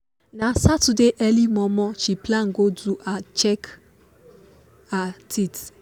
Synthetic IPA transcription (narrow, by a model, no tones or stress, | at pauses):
nãsatudeʔɛlimɔ̃mɔ̃ʃiplãŋ̩ɡoduʔat͡ʃɛk | atʰit